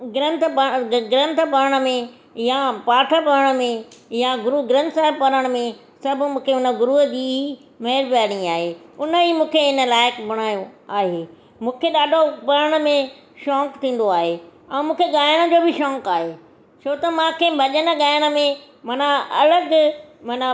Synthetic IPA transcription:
ɡɪɾə̃nt̪ʰbəɡɪɾɐ̃nt̪ʰə̆bɐɾəɽ̃ə̆mẽ | japaːʈʰəbɐɾəɽ̃ə̆mẽjaɡʊɾuɡɾɐ̃nt̪saːɪbpɐɾəɽ̃mẽ | sɐb̆ʱmũːkʰeʊnə̆ɡʊɾuɦəd͡ʑiːi | meɦɪɾbaːɽ̃iaːɦeʊnəimũːkʰeɪnə̆laːɪkbɐɽ̃aːjõaːɦeː | mũːkʰeɗaːɖʱopɐɾəɽ̃ə̆mẽ | ʃɔ̃ːkt̪ʰĩːn̆d̪oaːɦeɛ̃ːmũːkʰeɠaːɪɽ̃ə̆d͡ʑoːbɪʃɔ̃ːkaːɦeː | t͡ɕʰoːt̪ɐmãːkʰebʱɐʄənə̆ɠaːɪəɽ̃ə̆mẽ | mɐnaɐ̰ləɡmɐna

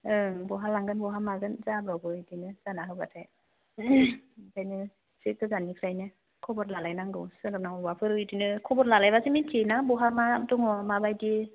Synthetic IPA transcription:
ɯbɔɦalaŋɡɯnbɔɦamaɡɯnzabɾawbɯidinɯzanaɦɯwbatʰaj | tʰajnɯ | seɡɯzanikʰɾajnɯ | kʰɔbɔt̚lalajnaŋɡɯ̰wsɯɾɯnawbapʰɯɾɯidinɯkʰɔbɔt̚lalajbasimintʰenabɔɦamamtɔŋɔmabajdi

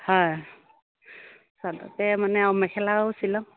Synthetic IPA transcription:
hɔj | sadɔ̰tɛmanɛɔmɛkʰɛlawusilɔ̃

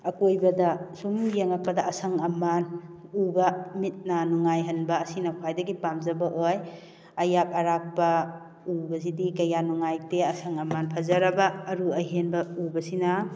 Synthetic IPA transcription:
ɐkojbɐdɐsumjeŋɐk̚pɐdɐːsɐŋɐmanubɐmit̚nanuŋajɦɐnbɐːsinɐkʰwajdɐɡipamzɐbɐʔoj | ɐjak̚ɐɾak̚pɐ | ubɐsidikɐjanuŋajteɐsɐŋɐmanpʰɐzɐɾɐbɐːɾuɐjɦenbɐubɐsina

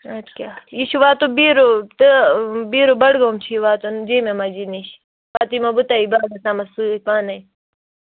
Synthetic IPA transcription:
ɐt̪kʲajiʃuʋaːt̪obiːɾot̪ɨbiːɾobɐɽɡoːmt͡ʃʰiʋaːt̪ond͡ʒiːmemad͡ʒiniʃ | paːt̪imɐbut̪aibaːɡɐsaːmɐsuːpaːnɐj

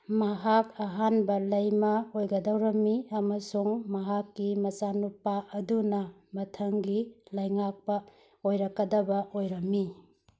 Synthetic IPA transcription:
mɐɦakɐɦanbɐlɐjmɐojɡɐdɐwɾɐmːiɐmɐsuŋmɐɦakːimɐt͡ʃanupaʔɐdunɐ | mɐtʰɐŋɡilɐjŋak̚pɐ | ojɾɐkːɐdɐbɐʔojɾɐmːi

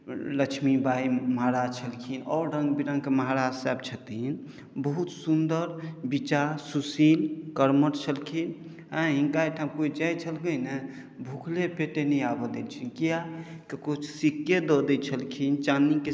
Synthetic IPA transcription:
ləkt͡ʃʰmibʱaiməɦaɾad͡ʒt͡ʃʰəlkʰinɔ̰ːɾɖə̃ŋɡbiɾãŋkeməɦaɾad͡ʒsab̚t͡ʃʰət̪in | bəɦut̪sund̪əɾbit͡ʃaɾsusilkəɾməʈt͡ʃʰəlkʰin | ɦə̃ɦĩŋkajʈʰãmkoid͡ʒajt͡ʃʰəlkəjne | bʱukʰlepeʈenəjabəd̪elt͡ʃʰinkia | kekut͡ʃʰsikːjed̪ɔd̪ət͡ʃʰəlkʰint͡ʃanike

